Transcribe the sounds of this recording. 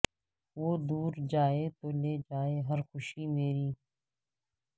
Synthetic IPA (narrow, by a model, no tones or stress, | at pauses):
ʋoːd̪uːɾd͡ʒaːeːt̪oːleːd͡ʒaːeːɦəɾxʊʃiːmeːɾiː